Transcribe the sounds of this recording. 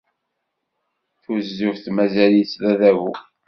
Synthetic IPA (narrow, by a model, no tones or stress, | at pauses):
θuzːʊfθmæzæljslæðævu